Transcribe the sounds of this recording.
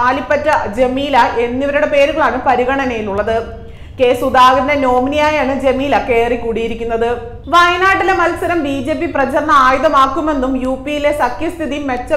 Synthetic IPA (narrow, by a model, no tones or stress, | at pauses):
aːlipːɐtːɐd͡ʑe̞miːlɐʔe̞nːiʋɐɾuɽe̞pe̞ːɾuɣɐɭaːɳɨpɐɾiɣɐɳɐnejiluɭːɐðɨ | ke̞ːsud̪aːɡɾɐndeno̞ːminijaːjaːɳɨd͡ʑe̞miːlɐke̞ːrikːuːɽijiɾikʲːunːɐðɨ | ʋɐjɐnaːʈːilemɐlsɐɾɐmbiːd͡ʑe̞ːp̬ːiprɐt͡ɕɐrnːɐaːjuðɐmaːkːume̞nːumjuːpːijile̞sɐkjɐst̪ʰiðijmːet͡ɕːɐ